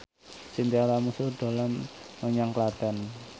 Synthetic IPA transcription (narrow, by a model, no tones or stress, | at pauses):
sint̪iaɾamusud̪̥a̤lamːəɲaŋklad̪̥a̤n